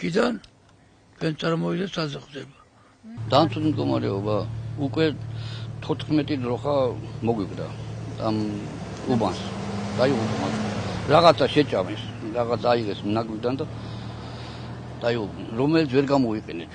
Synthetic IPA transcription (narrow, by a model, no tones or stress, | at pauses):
kʰid̪an | tʰwɛnt̪sʼaɾmɔvid̪ɛsazɛχvd̪ɛba | d̪̥amt̪sʰut̪md̪ɡɔma̰ɾɛɔbaukʼwɛt̪ʰɔt̪ʰχmɛt̪ʼid̪ɾɔχamɔɡwiqʼd̪a̰am | ubansd̪̥aiʁupma̰ɾaʁat̪sʰaʃɛt͡ʃʼamɛs | ɾaʁat̪sʰaiʁɛsmnaɡwid̪and̪a | d̪̥aiʁub | ɾɔmɛlit̪ʰvɛɾɡamɔiqʼɛnɛ